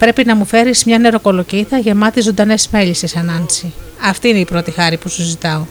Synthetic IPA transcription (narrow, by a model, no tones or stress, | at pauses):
pɾe̞pinɐmufe̞ɾizmɲɐne̞ɾo̞ko̞lociθɐʝe̞mɐt̪izond̪ɐnezme̞ʎisisɐnɐnsi | ɐft̪iineipɾo̞t̪ixɐɾipusuzit̪ɐo